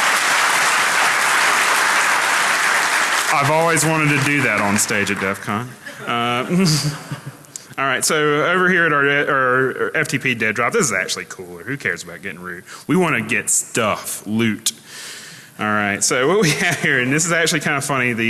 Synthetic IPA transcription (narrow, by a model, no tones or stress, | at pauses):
aɪvɔlˠwizwɑ̃ɾ̃ɨd̚tʰɨdɨðɨɾn̩steɪd͡ʒɨt̚d̥ɛfkʰɑ̃nʌ | ɔlˠɹaɪtsoʊoʊvə˞hiɹɨɾə˞ʔə˞ɛftʰipʰidɛdɹɑp̚ðɪsɨzæ̰k̚t͡ʃʉl̩ˠikʰulˠə˞hʉkʰɛɹzəbaʊt̚ɡ̥ɛɾɪ̃ŋɹʉt̚wiwɑ̃nɨɡɛtstʌflʉt | ʔɔlˠɹaɪtsoʊwʌt̚wiɨv̥hiɹɨ̃nðɪs̬ɨzæk̚t͡ʃʉl̩ˠikʰãɪ̃ndəfʌñiðɨ